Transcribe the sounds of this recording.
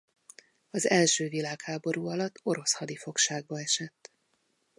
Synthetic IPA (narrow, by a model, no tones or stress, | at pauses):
ɒzɛlʃøːvilaːkhaːbo̞ɾuːɒlɒt̪ːo̞ɾo̞shɒd̪ifo̞kʃaːɡ̚bɒɛʃɛt̪ː